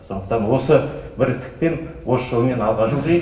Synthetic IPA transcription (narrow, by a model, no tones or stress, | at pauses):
so̞nd̪ə̥qt̪ɑnwo̞səbɪɾt̪ʰɪ̥k̚pe̞nwosʃow̪me̞nɑlˠʁɑʒuze